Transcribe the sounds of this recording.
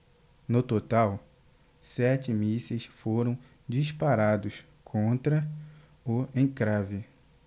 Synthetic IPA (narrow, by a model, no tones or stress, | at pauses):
nʊt̪ot̪aw | sɛt͡ʃɪmisesfoɾɐ̃w̃ | d͡ʒispaɾad̪ʊs | kʰõnt̪ɾɐ | oẽj̃kɾavɪ